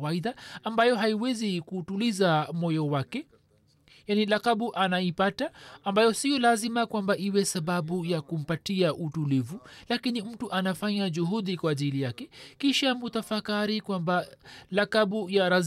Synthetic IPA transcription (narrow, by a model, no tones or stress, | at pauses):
aiðaambajɔɦaiwɛzikutulizamɔjɔwakɛ | janilakaɓuʔanaipataːmbajɔsijɔlazimakwambaʔiwɛsaɓaɓujakum̩patiaʔutulivulakinim̩tuʔanafaɲaʄuhuðikwaːʄilijakɛkiʃamut̪afakaɾikwambalakaɓujaɾaz